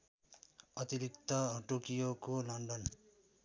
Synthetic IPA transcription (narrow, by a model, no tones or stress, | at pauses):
ʌt̪iɾikt̪ʌʈokijokolʌɳɖʌn